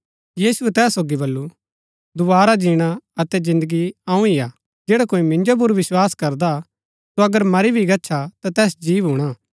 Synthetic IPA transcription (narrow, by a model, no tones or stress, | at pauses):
jiːsuɛt̪ɛːsːoːɡibɐlːu | d̪ʊbaːɾad͡ʒiːɽ̃aɐt̪ɛzɪ̃nd̪əɡiãːũɪjaː | d͡ʒeːɽakoːimɪ̃ɲd͡ʒop̬ʊɾʋɪswaːskɐɾd̪a | soɐɡəɾmɐɾibʱiɡɐtːʃʰat̪at̪ɛːsd͡ʒiːʋɦuːɽ̃aː